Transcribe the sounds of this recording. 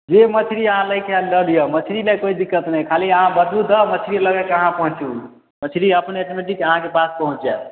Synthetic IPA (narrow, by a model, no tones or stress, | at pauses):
d͡ʒemət͡ʃʰiɾiəɦãləjkeɾəlijəmət͡ʃʰiɾilekoid̪ikːət̪nəkʰaliəɦãbəd̪ud̪əmət͡ʃʰɾiləɡɛkəɦãpəɦũt͡ʃũ | mət͡ʃʰiɾiəpneʈomeʈikəɦãkepaspəɦũt͡ʃjɛ